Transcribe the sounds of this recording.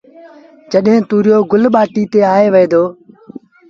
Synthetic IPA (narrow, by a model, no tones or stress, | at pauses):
d͡ʒəɗɦẽːt̪uːɾɪjoːɡʊlɓaːʈiːt̪eːaːeːʋəeːd̪oː